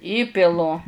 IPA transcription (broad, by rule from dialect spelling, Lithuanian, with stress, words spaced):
ˈiːpʲɪlˠʊ